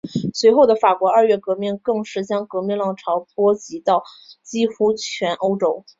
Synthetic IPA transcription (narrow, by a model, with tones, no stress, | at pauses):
swe˧˥ɪxo˥˩ʊd̪ə˩fa˨˩kwɔ˧˥ə˞˥˧ɥɛ˥˩kɤ˧˥mi˥˧nkɤ˥˧ŋʂɻ̩˥˩t͡ɕjɑ˥ŋkɤ˧˥mi˥˧ŋlɑ˥˩ŋʈ͡ʂʰɑ˧˥ʊpwɔ˥t͡ɕi˧˥t̪ɑ˥˩ʊt͡ɕi˥xu˥t͡ɕʰɥɛ˧˥nʔo˥ʊʈ͡ʂo˥ʊ